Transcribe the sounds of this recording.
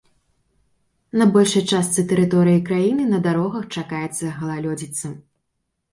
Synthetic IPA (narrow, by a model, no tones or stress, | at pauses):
nɐbɔlʲʂɐjt͡ʂast̪sɨt̪ɛɾɨt̪ɔɾɨjikɾajinɨnɐd̪aɾɔɣɐxt͡ʂakajɛt̪sːɐɣɐlˠalʲɔd͡zʲit̪sɐ